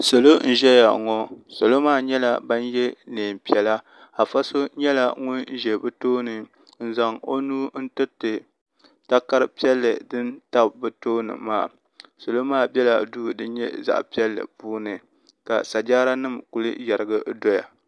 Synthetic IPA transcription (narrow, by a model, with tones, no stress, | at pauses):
so˨lo˦n̩˦ʒɛ˦ja̰˨ŋɔ˦so˨lo˦maː˦˨ɲɛ˦la˨ba˦n˦jɛ˦neː˨m˨pi˨ɛ˨la˦ | a˨fa˦so˦ɲɛ˦la˨ŋʊ˦nn̩˦ʒɛ˨bɨ˦toː˦nɨ˨ | n̩˦za˨ŋo˦nuː˦n̩˦tɨ˦tɨ˨ | ta˦ka˦ɾɨ˦pi˦ɛ˦lːɨ̰˨dɨ˦nta˦bbɨ˨toː˦nɨ̰˨ma̰ː˦˨ | so˨lo˦maː˦˨bɛ˦la̰˨duː˦˨dɨ˦n˦ɲɛ̰˦za̰˦˨ʔpi˦ɛ˦lːɨ̰˨puː˦nɨ˨ | ka̰˨sa˨d͡ʒaː˦ɾa˦nɨ˦mku˨lɨ̰˦ja˨ɾɨ˦ɡɨ˦do˦ja̰˨